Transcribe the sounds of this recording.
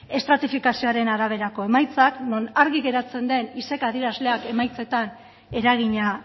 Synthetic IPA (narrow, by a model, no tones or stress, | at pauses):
e̞st̪ɾat̪ifikasioaɾe̞naɾaβ̞e̞ɾako̞e̞majt͡sakno̞naɾɣiɣe̞ɾat͡se̞nd̪e̞nise̞kaðiɾazle̞ake̞majt͡se̞t̪an | e̞ɾaɣ̞iɲa